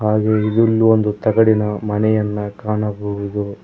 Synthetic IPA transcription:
ɦaːɡeid̪ilːuond̪ut̪ɐɡɐɽinɐmɐnɛjɐnːɐkaːɳɐboʋud̪u

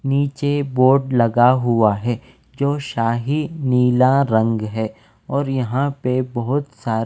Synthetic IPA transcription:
niːt͡ʃeboːɾɖlɐɡaɦʊaɦɛː | d͡ʒoːʃaːɦiniːlaɾɐ̃ŋɡɦɛː | ɔːɾjɐɦãpebɐɦʊt̪saːɾ

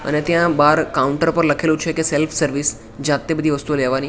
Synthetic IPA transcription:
ə̰net̪jãbaːɾkaːʊ̃ɳʈəɾpəɾlɐkʰelut͡ʃʰekeselfʰsəɾʋis | d͡ʒaːt̪ebəd̪ʱiʋəst̪uleːʋani

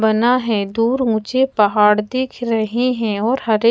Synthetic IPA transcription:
bɐnaɦɛ̃d̪uːɾũːt͡ʃepɐɦaːɽd̪ɪkʰɾɐɦeɦɛ̃ɔːɾɦɐɾe

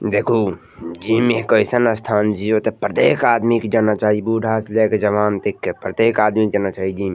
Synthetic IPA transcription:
d̪eːkʰo | d͡ʒiːmeɦkəɪsənəst̪ʰaːnd͡ʒiot̪epɾət̪eːkaːd̪mikd͡ʒaːnat͡ʃaːɦibuːɖʱaːsleked͡ʒɐʋaːnt̪ekːepɾət̪eːkaːd̪mikd͡ʒaːnat͡ʃaːɦid͡ʒiːm

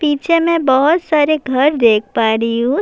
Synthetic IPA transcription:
piːt͡ʃʰemɛ̃bɐɦʊt̪saːɾeɡʱɐɾd̪eːk̚ʰpaːɾijũ

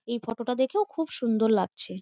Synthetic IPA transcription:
ejfɔʈoʈad̪ekʰeokʰubʃund̪oɾlaɡt͡ɕʰe

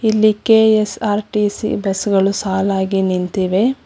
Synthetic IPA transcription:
ilːikeesaːɾʈisḭbesɡɐɭusaːlaːɡinint̪iʋe

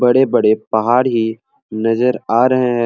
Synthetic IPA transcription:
bɐɽebɐɽepɐɦaːɾɦi | nɐzəɾaːɾɐɦeɦɛ̃

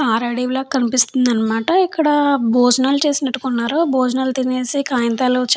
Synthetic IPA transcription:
aːɾaːɽiːʋlaːkɐnipist̪und̪ɐnːɐmaːʈɐikːɐɽɐboːd͡ʒɐnaːlt͡ʃe̞ːsinɐʈːukunːaːɾuboːd͡ʒnaːlt̪ine̞ːsikaːjɐnt̪aːlut͡ʃ

